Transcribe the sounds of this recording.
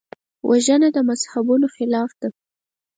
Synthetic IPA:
wʔaʒənad̪əmazhabunoxɪlɑfd̪a

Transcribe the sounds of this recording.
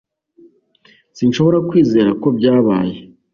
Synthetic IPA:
sinʃo̞βo̞ɾakwiːze̞ːɾako̞bɟaːβa̰ːje

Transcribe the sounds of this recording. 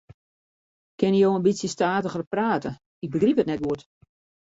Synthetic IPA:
kɪnijoːənbisjəstaːtəɣərpraːtə | ɪɡ̚bəɡriphətnɛt̚ɡuət

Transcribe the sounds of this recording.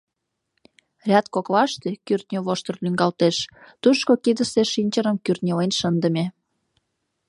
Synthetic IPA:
rʲɑt̪kokβɑʃt̪ekyrt̪̚nʲøβoʃt̪ərlyŋɡɑlt̪eʃt̪uʃkokid̪əseʃinʲt͡ɕəɾəmkyrt̪̚nʲelenʃənd̪ə̆mʲe

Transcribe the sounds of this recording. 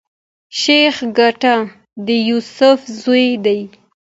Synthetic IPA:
ʃexɡaʈa | d̪əjusʊfzojd̪aj

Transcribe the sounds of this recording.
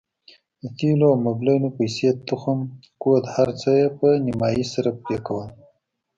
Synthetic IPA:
d̪ət̪iloamablenopajset̪ːʊxəm | kod̪haɾt͡səjepənɪmɑjisaɾap̚ɾekawəl

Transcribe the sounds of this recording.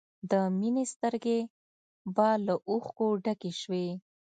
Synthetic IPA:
d̪əminest̪əɾɡe | bɑlaʔuxkoɖakeʃwe

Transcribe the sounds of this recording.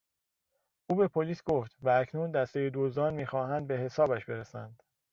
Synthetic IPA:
ʔuːbe̞pʰoliːsɡ̥oft̪væːcʰnuːnd̪æst̪ejed̪ozd̪ɒːnmiːxɒːɦænd̪̚be̞ɦe̞sɒːbæʃbe̞ɾesæ̰nd̪̥

